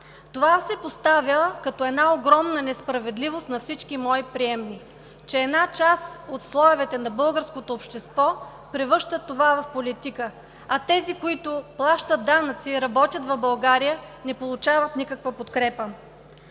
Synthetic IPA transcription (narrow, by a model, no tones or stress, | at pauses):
t̪ovasɛpost̪avilˠkɐt̪ɔɛd̪naoɡɾɔmnənɛspɾɐvɛd̪livost̪nɐfsit͡ʃkimɔjpɾiɛmni | t͡ʃɛːd̪nat͡ʃasot̪slˠɔjʊvɛt̪ɛnɐbɤlˠɡəɾskot̪oːpʃt̪ɛst̪vɔ | pɾɛvɤʃt̪ət̪ːovavɐfpolit̪ikə | ɐt̪ɛzikoit̪ʊplˠaʃt̪ət̪̚d̪anət̪siɾɐbɔt̪ʲət̪vɐbɐlˠɡaɾijənɛpolˠʊt͡ʃavət̪nikəkvəpot̪kɾɛpə